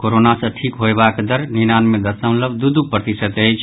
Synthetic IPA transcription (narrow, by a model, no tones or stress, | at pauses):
koɾonasə̃ʈʰikɦoebakd̪əɾninanmẽd̪əsə̃ʊ̃ləbd̪ud̪upɾət̪isət̪əjt͡ʃʰ